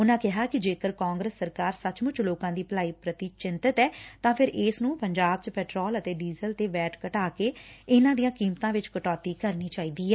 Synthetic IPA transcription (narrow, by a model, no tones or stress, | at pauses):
ʊnãːkɪɦaːkɪd͡ʒeːkəɾkaːŋɡɾəsːəɾkaːɾsət͡ʃmʊt͡ʃloːkãːd̪iːplaːiːpɾət̪iːt͡ʃɪnt̪ət̪ɛːt̪ãːpʰɪɾʔɪːsnũːpəɲd͡ʒaːb̚t͡ʃpɛːʈɾɔːlət̪eːɖiːzəlt̪eːʋɛːʈkəʈaːkeːɪnãːd̪ijãːkiːmt̪ãːʋɪt͡ʃkəʈɔːt̪iːkəɾniːt͡ʃaːiːd̪iːɛː